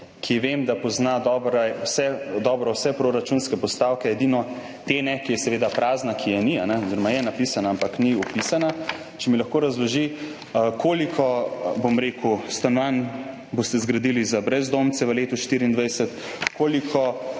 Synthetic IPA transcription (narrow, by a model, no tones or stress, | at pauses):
kʰiʋemd̪apɔznad̪ɔːbɾɛwsɛd̪ɔbɾɔwsɛpɾoɾat͡ʃunskɛpɔst̪awkɛjɛd̪inɔ | t̪enɛkijɛsɛʋeːd̪apɾaːznakʰijɛnianɛɔziɾɔmajɛnapisanaampakniɔpisana | t͡ʃɛmilɐxkoːɾazlɔʒi | kʰoːlikʰɔbomɾeːkust̪anʋan | bost̪ɛzɡɾad̪ilizabɾɛzd̪omt̪sɛʋəleːt̪uʃt̪iɾiːnd̪ʋajsɛt̪ | koːlikʰɔ